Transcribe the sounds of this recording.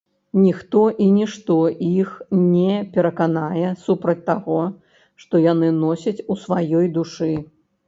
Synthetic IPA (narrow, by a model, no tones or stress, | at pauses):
nʲixt̪ɔʔinʲiʂt̪ɔʔixnʲɛpʲɛɾɐkanajɛsupɾɐt͡sʲt̪aɣɔ | ʂt̪ɔjanɨnɔsʲɐt͡sʲusvajɔjd̪uʂɨ